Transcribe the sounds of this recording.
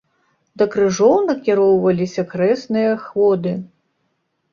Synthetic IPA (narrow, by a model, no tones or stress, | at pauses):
d̪ɐkɾɨʐɔwnɐkʲiɾɔwvɐlʲisʲɐkɾɛsnɨjɐxvɔd̪ɨ